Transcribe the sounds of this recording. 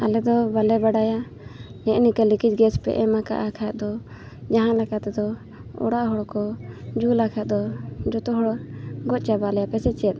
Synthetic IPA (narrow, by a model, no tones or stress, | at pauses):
alɛd̪ɔbalɛbaɖaja | nɛʔnikalikid͡ʒɡɛspɛ̰ʔɛmaka̰ʔakʰajɛt̪̚d̪ɔ | d͡ʒaɦãlakat̪ɛd̪ɔ | ɔ̰ɽaʔɦɔɽɔkɔd͡ʒulakʰajt̪̚d̪ɔd͡ʒɔt̪ɔɦɔɽɡɔt̚t͡ʃabalɛjapɛsɛt͡ʃɛɛt̪̚